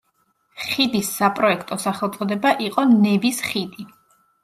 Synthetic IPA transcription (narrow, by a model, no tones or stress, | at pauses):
χid̪isːapʼɾɔɛkʰt̪ʼɔsaχɛlˠt̪sʼɔd̪ɛbaʔiqʼɔnɛvisχid̪i